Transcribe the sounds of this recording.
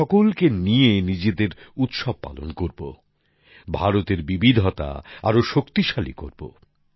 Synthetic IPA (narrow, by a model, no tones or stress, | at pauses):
ɔkolkenijenid͡ʑed̪eɾut̪ʃob̚pa̰lo̰nkoɾbo̰ | bʱaɾot̪eɾbibid̪ʱot̪a̰a̰ɾoʃokt̪iʃalḭko̰ɾbo̰